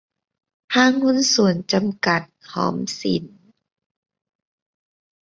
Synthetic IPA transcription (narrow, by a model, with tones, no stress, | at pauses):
t̪ʰaː˧˥˨ŋhu˧˥˨nsu˨˩ənt͡ɕa˨mka˨˩t̪̚hɔ̰ː˨˦msḭ˨˩˦n